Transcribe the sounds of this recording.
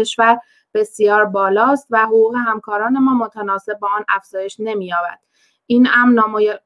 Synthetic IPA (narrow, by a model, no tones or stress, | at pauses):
eʃvæɾ | b̥e̞sijɒːɾbɒːlɒːst̪væɦoɣuːɣe̞ɦæmkʰɒːɾɒːne̞mɒːmo̞t̪ʰænɒːse̞b̚ːɒːɒːnæfz̥ɒːje̞ʃne̞miːjɒːbæ̰d̪̥ | ʔiːnæmnɒːmj